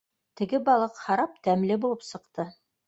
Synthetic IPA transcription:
t̪ɘ̆ɡɘbɑlˠɤqhɑɾɑp̚t̪æmlɘbulˠɤpsɤ̆qt̪ɤ

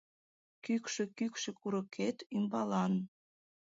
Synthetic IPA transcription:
kykʃekykʃĕkuɾə̆kʰet̪imbɑlɑn

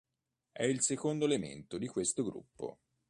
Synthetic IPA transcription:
ɛilsekond̪oelemḛnt̪od̪ikwest̪oɡɾṵpːo̰

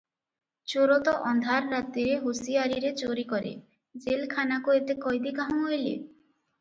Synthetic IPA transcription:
t͡ʃoɾɔt̪ɔʔɔnd̪ʱaɾːat̪ːiɾeɦusiaɾiɾet͡ɕoɾikɔɾḛ | d͡ʒelkʰanakuet̪ekɔjd̪ikaɦɔ̃ŋɦojlḛ

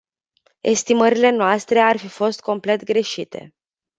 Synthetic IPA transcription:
e̞̰st̪iməɾile̞noast̪ɾe̞arfifo̞st̪̚ko̞mple̞t̪ɡɾe̞ʃit̪ʰe̞̰

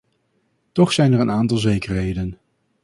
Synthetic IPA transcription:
tɔχsɛjnəɹənaːntɑlˠzejkərɦejdən

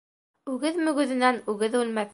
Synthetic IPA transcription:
ʉɡɘðmɵ̆ɡɵ̆ðɘ̆nænʉɣɘðʉlmæθ

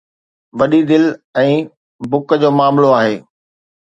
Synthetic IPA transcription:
ʋɐɗid̪ɪlɛ̃ː | bʊkd͡ʑoːmaːmloaːɦeː

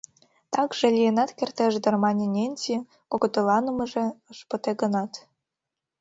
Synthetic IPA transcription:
t̪ɑkʒĕlʲijenɑt̪kʲert̪eʒd̪ɤ̆rmɑnʲenʲenʲti | koɡŏt̪ɤ̆lˠɑnɤ̆mɤ̆ʒĕɤʃpɤ̆t̪eɡɤ̆nɑt̪

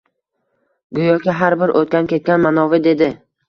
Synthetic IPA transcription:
ɡʊjɒkʲaɦaɾbɪɾʔot̪̚kʲankʲʰe̞t̪̚kʲanmanɒvɪd̪e̞d̪ɪ

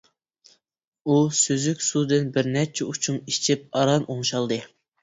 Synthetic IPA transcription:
usøzykʲsud̪ɨnbɪɾnɛt͡ʃʰɛut͡ʃʰunit͡ʃʰip̚ɑɾɑnʔoŋʃɑlˠd̪ɨ

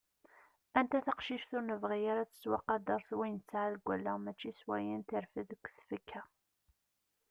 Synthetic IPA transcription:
ænt̪æθaqʃiʃθʊɾnəvʁijaɾat͡sːə̥t͡sːwɑqːɑd̪ɑɾˤθwijnt͡sːʕaðɡʷælːæmæt͡ʃːiswæjənt̪iɾfəðəkʷːθfəkʰːæ

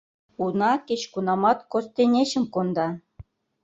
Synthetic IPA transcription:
unɑket͡ɕkunɑmɑt̪kost̪enʲeɕə̆mkond̪ɑ

